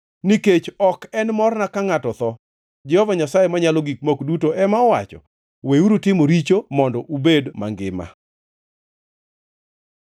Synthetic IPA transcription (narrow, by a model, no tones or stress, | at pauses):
niket͡ʃɔkɛnmɔrnakaŋatɔt̪ɔ | d͡ʒɛhɔvaɲasajemaɲalɔɡik̚mokdutoʔɛmaɔwa̰t͡ʃɔ̰ | weuɾutɪmoɾit͡ʃomɔndɔʔubedma̰ŋɡɪma̰